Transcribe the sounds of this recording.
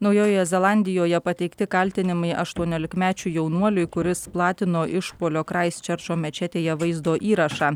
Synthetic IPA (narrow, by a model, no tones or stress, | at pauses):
nɒʊjoːjojɛzʲɛlˠɑˑnʲd̪ʲɪjoːjɛpɐt̪ʲɛɪkt̪ʲɪkɐlʲt̪ʲɪnʲɪmɐɪʔɐʃt̪uɔnʲoːlʲɪkmʲæːt͡ʃʲʊjɛʊnuɔlʲʊɪkʊɾʲɪsplˠɑːt̪ʲɪnoːʔɪʃpoːlʲoːkɾɑɪst͡ʃʲɛɾt͡ʃoːmʲɛt͡ʃʲɛt̪ʲeːjɛʋɐɪzd̪oːʔiːɾɐʃɑː